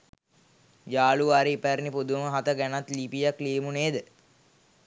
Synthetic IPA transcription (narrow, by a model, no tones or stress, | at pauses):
d͡ʒaːluʋaɾiːpæɾnipod̪uməɦat̪əɡænat̪lipijakleːmuneːd̪ə